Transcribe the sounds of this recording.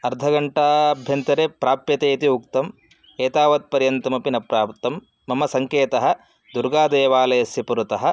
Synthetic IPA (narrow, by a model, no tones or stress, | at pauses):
ɐɾd̪ʱɐɡɐɳʈaːɐbʱjɐnt̪ɐɾepɾaːpjɐt̪eːt̪iukt̪ɐm | eːt̪aːʋɐt̪̚pɐɾjɐnt̪ɐmɐpinɐpɾaːp̚t̪ɐmː | ɐmɐsɐŋkeːt̪ɐɦɐ̆ | d̪uɾɡaːd̪eːʋaːlɐjɐsjɐpuɾut̪ɐɦɐ